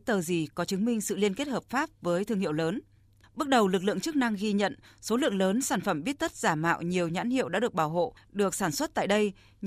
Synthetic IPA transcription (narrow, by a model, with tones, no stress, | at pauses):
t̪əː˨˩zi˨˩kɔ˨˦t͡ɕɨ˨˦ŋmï˧ŋ̟sɨ̰˧˨li˧ənke˦˥t̚həː˨˩p̚faː˦˥p̚vəː˨˦jt̪ʰɨ˧əŋhḭ˧˨əwləː˨˦n | ɓə˦˥t̚ɗə˨˩wlɨ˨˩k̚lɨ̰˧˨əŋt͡ɕɨ˦˥k̚na˧ŋɣi˧ɲə̰˧˨nso˨˦lɨ̰˧˨əŋləː˨˦nsaː˧˩nfə˧˩mɓi˦˥ət̚t̪ə˦˥t̚z̥aː˧˩ma̰ː˧˨wɲi˨˩əwɲa̰ː˧˥nhḭ˧˨əwɗa̰ː˧˥ɨ˨˩ək̚ɓaː˧˩wɦo̰˧˨ | ɗɨ˨˩ək̚saː˧˩nswə˦˥t̚t̪a̰ː˧˨jɗə˧j